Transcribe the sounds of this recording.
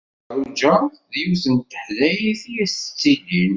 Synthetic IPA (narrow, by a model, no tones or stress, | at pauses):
ɾˤud͡ʒə | ðjuθənt̪ːə̥ħlæjiθijæsə̥t͡sːid̪in